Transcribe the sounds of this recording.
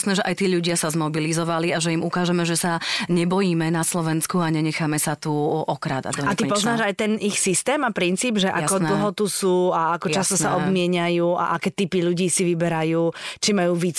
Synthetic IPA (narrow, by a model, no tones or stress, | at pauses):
snɛʒɛʔajt̪iːʎuɟɪasazmɔbilizɔʋaliaʒɛimukaːʒɛmɛʒɛsaɲɛbɔjiːmɛnaslɔʋɛnskuaɲɛɲɛxaːmɛsat̪uʔɔkɾa̰d̪a̰ɔat̪ipɔznaːʒajt̪ɛnʔixsist̪ɛːmapɾint͡siːbʒɛʔa̰kɔnl̩ɦɔt̪usuːaakɔt͡ʃast̪ɔsaʔɔb̪mɪɛɲajuːa̰ʔakɛːt̪ipiʎuɟiːsiʋibɛɾajuːt͡ʃimajuːʋit͡s